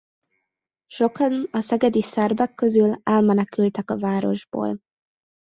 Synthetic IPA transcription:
ʃo̞kɒnɒsɛɡɛd̪isɛrbɛkːøzylɛlmɛnɛkylt̪ɛkɒvaːɾo̞̰ʒbo̰ːl

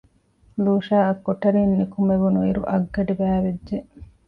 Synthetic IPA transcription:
luːʃaːɐkːoʈɐɾiːnːikumeʋunuiɾuʔɐɡːɐɖibæːʋeʒe

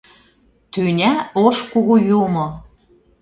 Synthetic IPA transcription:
t̪ønʲæoʃkuɣujumɤ̆

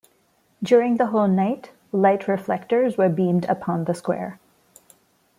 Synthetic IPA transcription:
dʊɹɪ̃ŋðəɦoʊlˠnaɪt | laɪtʰɹɪflɛktə˞zwə˞bĩmdə̰pʰɑ̃nðəskwɛ̰ɹ

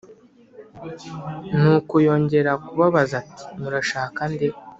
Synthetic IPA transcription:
nukujo̞ːɲɟe̞ɾakuβaβazati̥muɾaʃaːkande

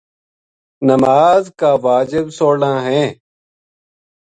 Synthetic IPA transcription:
nəmaːzkaːʋaːd͡ʑɪbsoːɽãːɦẽː

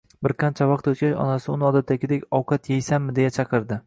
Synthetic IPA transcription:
bɪɾqʰɑnt͡ʃʰavɑq̚t̪ɵt̪kʲaʃɒ̰nasɪʊnɪɒd̪at̪ʰːakʲɪd̪ekʲɒwqʰɑt̪jejsanmɪd̪e̞jat͡ʃʰɑqɨɾd̪ɪ

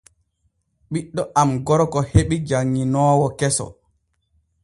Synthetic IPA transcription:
ɓiɗːɔʔamɡɔɾɔkɔheɓid͡ʒaŋːinɔːwɔkɛsɔ̰

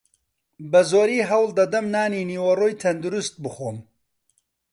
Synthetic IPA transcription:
bɐzoːɾiːɦɐwld̪ɐd̪ɐmnaːniːniːwɐroːjt̪ʰɐnd̪uɾust̪̚bɨxoːm

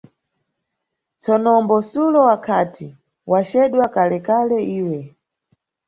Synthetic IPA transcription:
t͡sɔnɔmbɔsulɔwakʰatʰi | wat͡ʃɛɗwakalɛkalɛiːwɛ

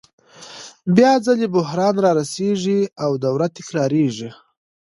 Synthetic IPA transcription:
bjɑd͡zalebʊhɾɑnɾɑɾaseʐiawd̪awɾat̪ɪ̥kɾɑɾeʐi

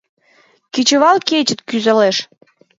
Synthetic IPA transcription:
kit͡ɕə̆βɑlket͡ɕə̆t̪kyzə̆leʃ

